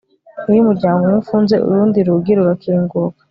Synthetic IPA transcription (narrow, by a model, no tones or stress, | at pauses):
ujumuɾɟaːmɡomufuːnze̞ṵɾuːndiɾuɡiɾuɾakʰiːŋɡukḁ